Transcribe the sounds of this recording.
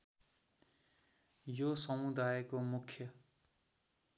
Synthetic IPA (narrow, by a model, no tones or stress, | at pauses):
josʌmud̪ajkomukʰjʌ